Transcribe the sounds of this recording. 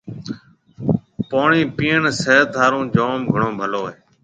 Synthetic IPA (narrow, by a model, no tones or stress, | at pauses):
poːɳiːpiːəɳseːd̪ʰʱaːɾũːd͡ʒoːmɡʱəɳõːbʱəloːeː